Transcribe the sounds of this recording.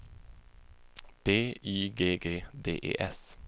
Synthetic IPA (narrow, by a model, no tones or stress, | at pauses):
b̥eːiːɡeːɡeːd̪eːʔḛːʔɛs